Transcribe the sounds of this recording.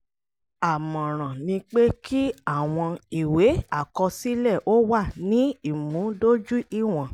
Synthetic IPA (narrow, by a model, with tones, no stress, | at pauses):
a˨mɔ̃˨ɾ̃ã˨nĩ˧k͡pe˦kʰi˦a˦˨w̃ɔ̃˧i˨we˨˦a˦˨kɔ˧si˦lɛ˦˨ʔo˦wa˦˨nĩ˦i˦˨mũ˨˦do˦d͡ʒu˦i˦˨w̃ɔ̃˨